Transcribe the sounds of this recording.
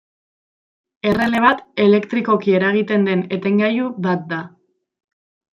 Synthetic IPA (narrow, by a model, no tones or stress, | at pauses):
e̞re̞le̞β̞at̪e̞le̞kt̪ɾiko̞kie̞ɾaɣ̞it̪e̞nd̪e̞ne̞t̪e̞ŋɡajuβat̪̚d̪a